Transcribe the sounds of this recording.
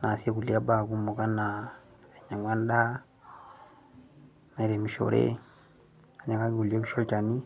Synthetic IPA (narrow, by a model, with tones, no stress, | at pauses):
na˨si˦e˦ku˨li˨a˦ba˨ku˦mo˨ka˦na˨ | e˨ɲa˨ŋwa˦n˦da˦ | na˨i˨ɾe˨mi˨ʃo̰˨ɾḛ˦ | a˨˦ɲa˨ka˦ki˦ku˨li˦e˦ku˦ʃo˦lt͡ʃa˨ni˦